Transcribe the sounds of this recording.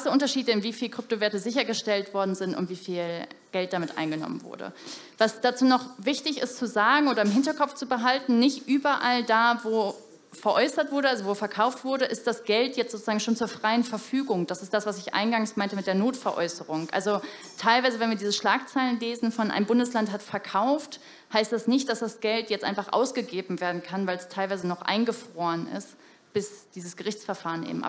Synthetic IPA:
səʔʊntɐʃiːdəɪnviːfiːlkʁ̥ʏp̚toveːɐtəzɪçɐɡəʃtɛltv̥ɔɐdn̩zɪntʊ̰ntv̥iːfiːlɡ̥ɛlt̚d̥aːmɪtʔa̰ɪnɡənɔ̰mə̰nvʊ̰ɐdə̰ | vasd̥at͡suːnɔχvɪçtɪçɪ̰st͡suzaːɡŋ̩ʔoːɾɐɪmɦɪntɐkɔpp͡ft͡subəɦaltn̩nɪçtʔyːbɐʔaldaːvoː | fɛɐʔɔʏsɐtv̥ʊɐɾəʔalzovoːfɛɐkʰaʊftv̥ʊɐɾəʔɪst̚d̥asɡ̥ɛltjɛt͡stz̥oːt͡suz̥aːɡŋ̩ʃoːnt͡suːɐfʁ̥aɪənfɛɐfyːɡʊŋd̥asɪstd̥asv̥asɪçʔa̰ɪnɡaŋsmaɪntəmɪt̚d̥eːɐnoːtfɛɐʔɔ̰ʏsəʁ̞ʊŋʔa̰lzo | tʰaɪlvaɪzəvɛnviːɐdiːzəʃlaːkt͡saɪlənleːzn̩fɔnʔa̰ɪmbʊndəslanthatfɛɐkʰaʊft | haɪstd̥asnɪçt̚d̥asd̥asɡ̥ɛltjɛt͡stʔa̰ɪnfaχʔa̰ʊsɡ̥əɡeːbm̩veːɐdn̩kʰanvaɪlɛstʰaɪlvaɪzənɔχʔa̰ɪnɡəfʁ̥oːənɪ̰st | b̥ɪsd̥iːzəsɡ̥əʁɪçt͡sfɛɐfaːʁənʔḛːbm̩ʔa̰

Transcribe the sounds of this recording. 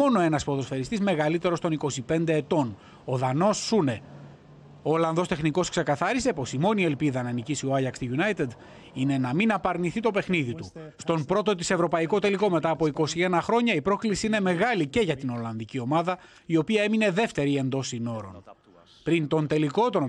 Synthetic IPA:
mo̞no̞e̞nɐspoðo̞sfe̞ɾist̪izme̞ɣɐlit̪e̞ɾo̞st̪o̞niko̞sipe̞nd̪e̞ːt̪o̞n | o̞ðɐno̞sːune̞ | oːlɐnðo̞st̪e̞xniko̞skse̞kɐθɐɾise̞po̞simo̞nie̞lpiðɐnɐnicisioɐjɐkst̪iʝunɐjt̪ed̪ | ine̞nɐminɐpɐɾniθit̪o̞pe̞xniðit̪ust̪o̞npɾo̞t̪o̞t̪̬ise̞vɾo̞pɐiko̞t̪e̞liko̞me̞t̪ɐːpo̞iko̞sie̞nɐxɾo̞ɲɐipɾo̞klisiine̞me̞ɣɐlice̞ʝɐt̪ino̞lɐnðicio̞mɐðɐ | io̞piɐe̞mine̞ðe̞ft̪e̞ɾie̞nd̪o̞sino̞ɾo̞̰n | pɾint̪o̞nt̪e̞liko̞t̪o̞n

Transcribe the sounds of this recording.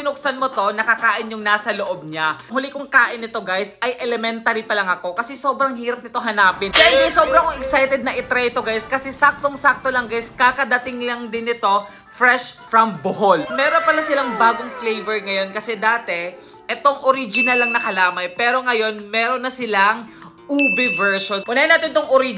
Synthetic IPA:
t̪ɪnʊk̚sɐnmot̪o̞nɐkɐkaːʔɪnjʊŋnaːsɐloʔo̞b̚ɲahʊlɪkʊŋkaːʔɪnːɪt̪o̞ɡajsɐjʔɛlɛmɛnt̪aɾipɐlɐŋɐko̞kɐsɛso̞bɾɐŋhiːɾɐp̚nɪt̪oɦɐnaːpɪnɡajnɐjso̞ːbɾɐŋɛksajt̪ɛd̪̚nɐʔɪt̪ɾɛjt̪o̞ɡajskɐsɛsak̚t̪o̞ŋsak̚t̪olɐŋɡajskakɐd̪ɐt̪ɪŋlɐŋd̪ɪnɪt̪o̞ | fɾɛʃfɾɐmboɦolmɛːɾonpɐlasɪlaŋbaːɡoŋflejvɛɹŋɐjo̞nkɐsɛd̪aːt̪ɛ | ʔɛt̪o̞ŋoɾid͡ʒɪnɐlːɐŋnɐkɐlaːmɐjpɛːɾo̞ŋɐjo̞nmɛːɾonːɐsɪlaŋ | ʔuːbɪvɛɹʃonkʊnajɐnaːt̪ɪnɪt̪oŋʔoɾi

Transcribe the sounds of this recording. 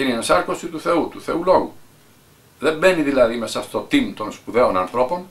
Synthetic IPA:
iniensɐɾkosit̪uθeut̪uθe̞ulo̞ɣu | ðe̞mbeniðilɐðimesɐfot̪ot̪imt̪o̞nspuðe̞onɐnθɾo̞po̞n

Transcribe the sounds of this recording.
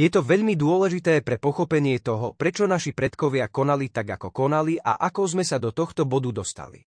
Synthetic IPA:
jɛt̪ɔʋɛʎmid̪ʊɔlɛʒit̪ɛːpɾɛpɔxɔpɛɲɪɛt̪ɔɦɔpɾɛt͡ʃɔnaʃipɾɛt̪kɔʋɪakɔnalit̪aɡakɔkɔnaliʔa̰ʔakɔzmɛsad̪ɔt̪ɔxt̪ɔbɔd̪ud̪ɔst̪a̰lḭ

